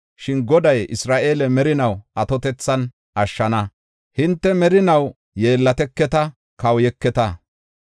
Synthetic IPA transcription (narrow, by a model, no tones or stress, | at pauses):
ʃɪnɡɔd̪ɐjɪ̰sɾaːʔe̞ːlɛmɛɾɪnɐwʔɐt̪ɔt̪ɛt͡sːɐn | ʔɐʃːɐnɐ | hɪnt̪ːɛmɛɾɪnɐw | je̞ːlːɐt̪ɛkːɛt̪ɐ | kɐwjɛkːɛt̪ɐ